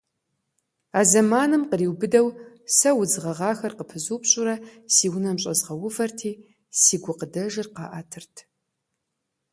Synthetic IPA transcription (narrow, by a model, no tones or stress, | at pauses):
aːzɐmaːnɨmqəriːwbɨdɐw | sɐwʊd͡zɨʁɐʁɑːxɐrqəpʰɨzuːpɕʼʊɾɐsiːwʊnɐmɕʼɐzʁɐwʊvɐrtʰiː | siːɡʷʊqədɐʒɪrqɑ̰ːʔatʰɨrtʰ